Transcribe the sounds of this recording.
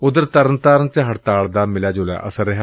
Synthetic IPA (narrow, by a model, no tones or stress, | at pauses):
ʊd̪əɾt̪əɾənt̪aːɾənt͡ʃəɦəʈt̪aːɭd̪aːmɪlaːd͡ʒoːla̰ːʔə̰səɾːəɦaː